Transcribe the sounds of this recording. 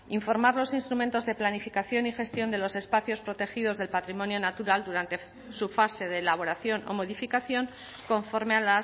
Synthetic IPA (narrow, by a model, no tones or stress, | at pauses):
iɱfo̞ɾmaɾlo̞sinst̪ɾument̪o̞zðe̞planifikaθjo̞nixe̞st̪jo̞nd̪e̞lo̞se̞spaθjo̞spɾo̞t̪e̞xið̞o̞zðe̞lpat̪ɾimõ̞njo̞nat̪uɾald̪uɾant̪e̞ | sufase̞ðe̞ːlaβ̞o̞ɾaθjo̞no̞̰mo̞ðifikaθjo̞ŋ | ko̞ɱfo̞ɾmeala